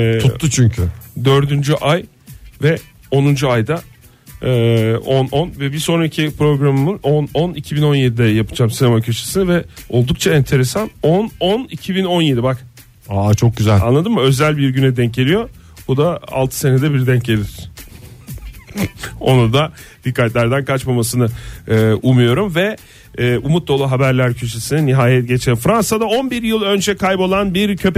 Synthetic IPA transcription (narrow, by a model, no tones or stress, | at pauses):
tʰuːut͡ʃʰyɲcʰyd̪ø̞ɾd̪ynd͡ʒyʔaj | vɛ | o̞nund͡ʒuajd̪a | ɛːo̞nʔo̞nvɛbiɾso̞nɾacʰipɾo̞ɡɾamɯmɯnononicʰibino̞nje̞d̪id̪ɛjapʰɯd͡ʒaːmsinemacʰøʃe̥sinvɛo̞lˠd̪uk̚t͡ʃʰaɛnt̪ʰe̞ɾe̞sanononicʰibino̞njed̪ibak | at͡ʃʰo̞k̚ɟyzælʲa̰nlˠad̪ɯmːaø̞zælʲbiɾɟynɛd̪ɛɲcelʲijo̞ | bud̪aa̰lˠt̪ʰɯ̥se̞ned̪ɛbiɾd̪ɛɲcelʲiɾ̥ | o̞̰nud̪ad̪̥ikʰːat̪lʲæɾd̪ænkʰat͡ʃmamasɯnɯɯːʔumɯjo̞ɾumvɛː | umut̪̚d̪o̞lˠaɦabæɾlʲæɾcʰø̞ʃesininiɦaːjɛt̪̚ɟe̞t͡ʃʰefɾansad̪ao̞nbiɾjɯlˠø̞nd͡ʒɛkʰajpo̞lˠanbiɾcʰø̞p